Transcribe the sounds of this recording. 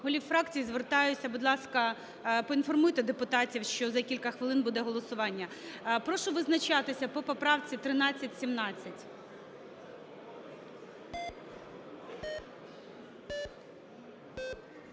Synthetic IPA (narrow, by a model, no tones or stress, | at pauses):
ɦɔlʲiwfɾɑkt͡sʲijzʋert̪ɑjʊt͡sʲːɐbʊd̪lˠɑskɐ | pɔinfɔrmʊt̪ɪd̪epʊt̪ɑtʲiwʃt͡ʃɔzɐkʲilʲkɐxʋɪlˠɪnbud̪ɛɦɔlˠɔsʊʋɑnʲːɐpɾɔʃʊʋɪznɐt͡ʃɑt̪ɪsʲɐpɔpɔpɾɑwt͡sʲit̪ɾɪnɑt͡sʲːɐtʲsʲimnɑt͡sʲːɐtʲ